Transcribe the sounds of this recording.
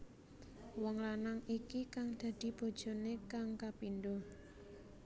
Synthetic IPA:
wɔŋɾanaŋikikaŋd̪̥a̤d̪̥i̤b̥o̤d̥ʒ̥ɔ̤nekaŋkapinɖo

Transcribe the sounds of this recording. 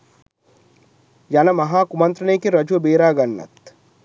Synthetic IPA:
jɐnɐmɐɦaːkumɐnt̪ɾɐneːkiɾɐd͡ʒuʋɐbeːɾaːɡɐnːɐ̰t̪

